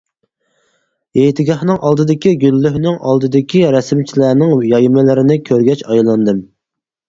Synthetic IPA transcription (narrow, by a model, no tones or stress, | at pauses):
ejt̪ʰɪɡʲɑhnɨŋʔɑlˠd̪ɨd̪ɪkʲiɡʲylːyhnɪŋʔɑlˠd̪ɨd̪ɪkʲiɾɛsɪmt͡ʃʰilæːnɪŋjɑjmɪlɪɾɪnɪkʲʰøɾɡʲɛt͡ʃɑjlˠɑnd̪ɨm